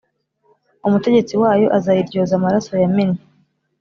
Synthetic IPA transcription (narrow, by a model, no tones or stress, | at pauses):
umute̞ɟe̞t͡siwaːjo̞ʔazajiɾɟo̞ːzamaɾaso̞jamine